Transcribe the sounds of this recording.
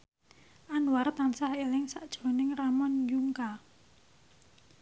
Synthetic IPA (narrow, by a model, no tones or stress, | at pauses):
ʔanwaɾt̪ansahelɪŋsaʔd̥ʒ̥o̤nɪŋramɔnjuŋka